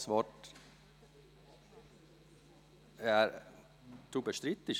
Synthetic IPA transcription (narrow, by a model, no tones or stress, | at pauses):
sʋɔʈ | jæɾ | t̪ʰuːbəʃt̪ɾɪt̪ːɪç